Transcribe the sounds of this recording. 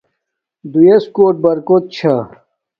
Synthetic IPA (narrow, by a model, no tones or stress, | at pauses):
d̪ujeskoːʈ̚bɐɾkot̪̚t͡ɕʰa